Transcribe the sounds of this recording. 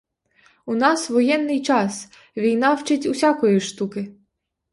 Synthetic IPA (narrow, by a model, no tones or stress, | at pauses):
ʊnɑsʋɔjɛnːɪjt͡ʃɑs | ʋʲijnɑwt͡ʃɪtʲusʲɑkɔjiʃt̪ukɪ